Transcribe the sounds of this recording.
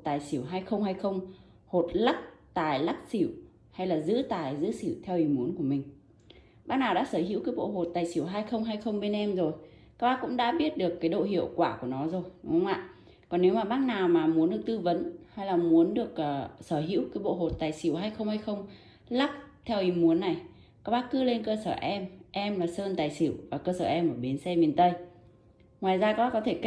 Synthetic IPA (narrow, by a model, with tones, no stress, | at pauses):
t̪aː˨˩jsi˧˩əwɦaː˧jxə˧wŋ͡mɦaː˧jxə˧wŋ͡m | ho˨˩t̚la˦˥k̚t̪aː˨˩jla˦˥k̚si˧˩w | ha˧jlaː˨˩zɨ̰˧˥t̪aː˨˩jzɨ̰˧˥si˧˩wt̪ʰɛ˧wʔi˨˩mu˨˦nku˧˩əmï˨˩ŋ̟ | ɓaː˦˥k̚naː˨˩wɗa̰ː˧˥səː˧˩hḭ˧˥wkaː˨˦jɓo̰˧˨ɦo˨˩t̚t̪aː˨˩jsi˧˩əwɦaː˧jxə˧wŋ͡mɦaː˧jxə˧wŋ͡mɓe˧nʔɛ˧mzo˨˩j | ka˦˥ɓaː˧˥kʊ̰˧˥ŋ͡mɗa̰ː˧˥ɓi˦˥ət̚ɗɨ˨˩əkːaː˨˦jɗo̰˧˨ɦḭ˧˨əwkwaː˧˩ku˧˩ənɔ˨˦zo˨˩jŋ͡mʔa̰ː˧˨ | kɔ˨˩nːe˨˦wmaː˨˩ɓaː˦˥k̚naː˨˩wmaː˨˩mu˨˦ənɗɨ˨˩ək̚t̪ɨ˧və̰˧˨˦nha˧jlaː˨˩mu˨˦ənɗɨ˨˩ək̚ʔəː˨˩səː˧˩ɦḭ˧˥wkaː˨˦jɓo̰˧˨ɦo˨˩t̚t̪aː˨˩jsi˧˩əwɦaː˧jxə˧wŋ͡mhaː˧jxə˧wŋ͡m | la˦˥p̚t̪ʰɛ˧wʔi˨˧˩mu˨˦ənːa˨˩j | kaː˦˥k̚ɓaː˦˥kɨ˨˦le˧nkəː˧səː˧˩ʔɛ˧mʔɛ˧mlaː˨˩səː˧nt̪aː˨˩jsi˧˩˨wvaː˨˩kəː˧səː˧˩ʔɛ˧mʔəː˧˩ɓi˨˦nsɛ˧mi˨˩ənt̪ə˧j | ŋwaː˨˩jzaː˧kaː˦˥ɓa˦˥kɔ˨˦t̪ʰe˧˩k